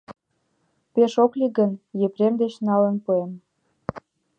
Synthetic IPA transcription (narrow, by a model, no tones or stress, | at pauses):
peʃokliɡənjepɾemd̪et͡ɕnɑlənpuem